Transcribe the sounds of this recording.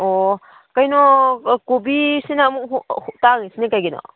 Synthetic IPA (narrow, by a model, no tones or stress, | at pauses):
o | kajnɔkobisinamuk̚ɦhuk̚taŋisinekajɡinɔ̰